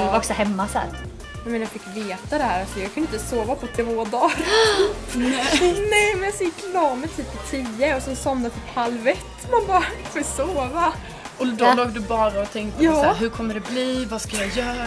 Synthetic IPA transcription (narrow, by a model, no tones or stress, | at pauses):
ɔksɔhɛmːasæ̰ːɾ | ɛmɛnjafɪkːveːt̪ad̪ɛhæːɾalsɔjɑɡkʰɵnəɪnt̪ːəsoːvapʰɔt̪ʰeːvoːd̪ɑːɾ | nɛnɛjmɛnjasɔjɪkːlɑːmɛt̪ʰyːppɔt̪ʰiːəɔsɛnsɔmnat̪ʰyːphalvɛt̪ːmanbɑːɾafoːsoːva | ɔd̪ɔloːɡ̚d̪ɵbɑːɾaɔt̪ʰɛŋkt̪əjɑːɾɦɵɾkʰɔmːəɖɛbliːvɑskajɑjœːɾ